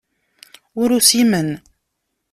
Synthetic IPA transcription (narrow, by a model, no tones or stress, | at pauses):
ʊɾusimən